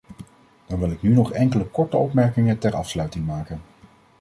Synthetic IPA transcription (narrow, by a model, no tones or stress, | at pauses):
d̥ɑnʋɪlˠɪknynɔχɛŋkələkɔɹtəɔpmɛɹkɪŋəntɛɹɑ̰fslœɥtɪŋmaːkən